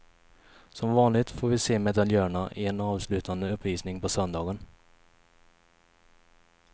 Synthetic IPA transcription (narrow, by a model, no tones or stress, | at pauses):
sɔmvɑːnlɪɡt̪foːɾvɪseːmɛd̪aljœːɳaʔɪɛnɑːvslʉ̟ːt̪ʰand̪əɵpːviːsnɪŋpʰɔsœnd̪ɑːɡən